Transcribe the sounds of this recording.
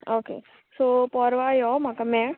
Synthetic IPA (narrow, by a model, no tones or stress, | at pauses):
oːkḛː | sopɔːɾʋajɔmakamɛ̃